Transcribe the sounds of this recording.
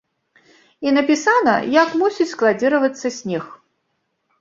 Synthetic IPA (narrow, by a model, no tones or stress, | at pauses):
inɐpʲisanɐ̰jakmusʲit͡sʲsklˠad͡zʲiɾɐvɐt̪sːɐsʲnʲɛx